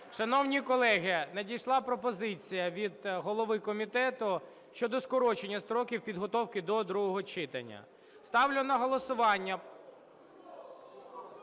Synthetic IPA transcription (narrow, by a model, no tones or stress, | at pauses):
ʃɐnɔwnʲikɔlˠɛɦɪnɐdʲijʃlˠɑpɾɔpɔzɪt͡sʲijɐʋʲid̪ɦɔlˠɔʋɪkɔmʲit̪ɛt̪ʊ | ʃt͡ʃɔd̪ɔskɔɾɔt͡ʃenʲːɐst̪ɾɔkʲiwpʲid̪ɦɔt̪ɔwkɪd̪ɔd̪ɾuɦɔɦɔt͡ʃɪt̪ɐ̰nʲːɐ̰ | st̪ɑwlʲʊnɐɦɔlˠɔsʊʋɑnʲːɐ